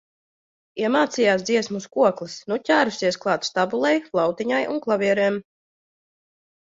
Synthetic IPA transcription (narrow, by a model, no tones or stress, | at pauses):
ɛmaːt̪sijaːsd̪ziɛsmuskuɔklˠɨsnucʲaːɾusʲiɛsklˠɑːt̪st̪abulˠɛjflˠawt̪iɲajunklˠavʲiɛɾɛːm